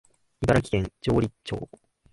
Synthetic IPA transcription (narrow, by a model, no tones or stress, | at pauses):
ibaɾakʲi̥ent͡ɕoːɾʲit͡ɕːo̰ː